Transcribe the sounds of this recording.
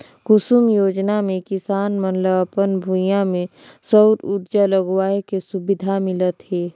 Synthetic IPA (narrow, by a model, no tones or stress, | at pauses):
kʊsumjoːd͡ʒnamẽkɪsaːnmənləpənbʱujãmẽ | səwɾud̪d͡ʒaləɡwaːekesubɪd̪ʱamɪlət̪ɦɛː